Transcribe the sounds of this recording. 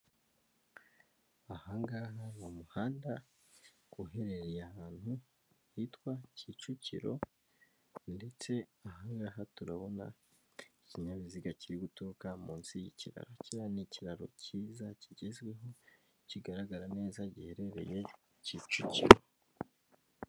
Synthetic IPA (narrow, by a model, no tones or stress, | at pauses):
ahaːŋɡaɦanomuhaːnda | kuɦe̞ɾe̞ɾejahaːn̥hu | hitwacit͡ʃucḭɾo̞̰ | nde̞t͡se̞ahaːŋɡaːɦatuɾaβo̞na̰ | iciɲaβiziɡaciɾiɡutoːkamuːnsijḭciɾa̰ɾo̞ciɾaniciɾaɾo̞̰ciːzaciɟe̞zɡwe̞ɦo̞ | ciɡaɾaɡaɾane̞ːzaɟihe̞ɾe̞ɾe̞̰je̞ | ciːt͡ʃuciɾo̞